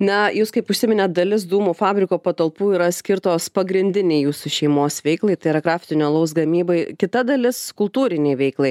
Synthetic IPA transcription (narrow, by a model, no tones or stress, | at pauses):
nɐjuːskɐɪpʊʃʲsʲɪmʲɪnʲɛt̪̚d̪ɐlʲɪs̬d̪uːmuːfɑːbʲɾʲɪkoːpɐt̪ɐlˠpuːiːɾɐsʲkʲɪrt̪oːspɐɡɾʲɪnʲd̪ʲɪnʲɛɪjuːsuʃʲɛɪmoːsʋʲɛɪklˠɐɪt̪ɐɪɪɾɐɡɾɑːfʲt̪ʲɪnʲlˠɐʊs̬ɡɐmʲiːbɐɪkʲɪt̪ɐd̪ɐlʲɪskʊlˠt̪uːɾʲɪnʲɛɪʋʲɛɪklˠɐɪ